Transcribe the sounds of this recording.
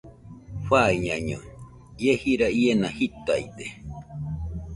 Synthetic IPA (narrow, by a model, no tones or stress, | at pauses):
ɸaiɲãɲõ̰ | jehiɾaienahit̪aid̪e